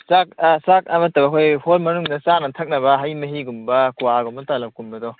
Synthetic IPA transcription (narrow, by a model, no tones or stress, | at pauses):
sak̚sak̚ɐmɐtːɐbɐkʰojholmɐnuŋnɐsanɐt̪ʰɐk̚nɐβɐɦɐjmɐɦiɡumbɐkuaɡumɐtalɐp̚kumbɐdɔ